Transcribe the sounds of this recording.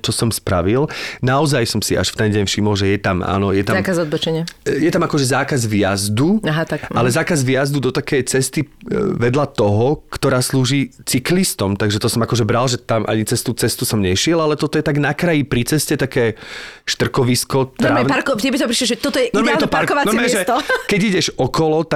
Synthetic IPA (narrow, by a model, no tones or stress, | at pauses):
t͡ʃɔsɔmspɾa̰ʋilnaɔzajsɔmsiʔa̰ʃft̪ɛnɟɛɲfʃimɔlʒɛjɛt̪ama̰ːnɔjɛt̪amkazad̪̚bɔt͡ʃɛɲɪɛjɛt̪amakɔʒɛzaːkazʋɪjazd̪uaɦat̪aalɛzaːkazʋɪjazd̪ud̪ɔt̪akɛjt͡sɛst̪iʋɛd̪lat̪ɔɦɔkt̪ɔɾaːsluːʒiːt͡siklist̪ɔmt̪aɡʒɛt̪ɔsɔmakɔʒɛbɾalʒɛt̪amʔa̰ɲit͡sɛst̪ut͡sɛst̪usɔmɲɛʃɪɛlalɛt̪ɔt̪ɔjɛt̪aɡnakɾajipɾit͡sɛscɛt̪akɛːʃt̪r̩kɔʋiskɔt̪ɾaːɛpaɾkɔɛbit̪ɔpɾiʃlɛʒɛt̪ɔt̪ɔjɛnɔmɛɛt̪ɔpaɾkɔʋanɔɛɛɛʒɛt̪ɔkɛɟiɟɛʒɔkɔlɔt̪a